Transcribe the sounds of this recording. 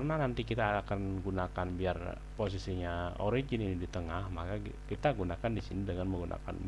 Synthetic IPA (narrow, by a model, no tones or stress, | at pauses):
rnanant̪ikit̪aːkanɡunakanbiar | pos̬isiɲao̰ɾid͡ʒɪninidit̪əŋahmakakit̪aɡunakandisinidəŋanməŋɡunʔa̰ka̰n